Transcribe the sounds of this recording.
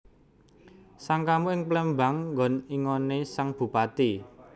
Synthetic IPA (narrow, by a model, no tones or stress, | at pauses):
saŋkamuɪŋplɛmba̤ŋŋɡɔ̤niŋɔnesaŋb̥ṳpat̪i